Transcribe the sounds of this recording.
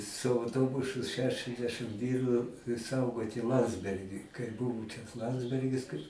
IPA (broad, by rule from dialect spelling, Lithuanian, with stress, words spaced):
sʊ ɐʊˈtoːbʊsʊ ʃʲɛʃʲɛzʲˈdʲæːʃɨm ˈʋʲiːrʊ ˈsɐʊɡoːtʲɪ ˈlˠɐnʲdʲzʲbʲɛrʲɡʲiː kɐɪ ˈbʊʋʊ t͡ʃʲɛ ˈlˠɐnʲdʲzʲbʲɛrʲɡʲɪs kɐɪ